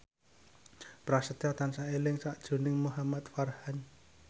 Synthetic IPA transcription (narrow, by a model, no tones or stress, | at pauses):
pɾasət̪iɔt̪ansaelɪŋsaʔd̥ʒ̥ṳnɪŋmuɦamat̪̚farhan